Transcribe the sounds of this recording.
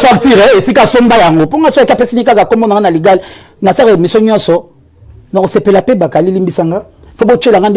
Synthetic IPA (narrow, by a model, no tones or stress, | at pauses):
swaktiʁɛesikasombajaŋɡopoŋɡaskpesinikakakomonaɡanaliɡal | nasaɣemisoɲɔ̃nsɔ | nakosepelapebakalilimbisaŋɡa | fobot͡ʃelaŋɡand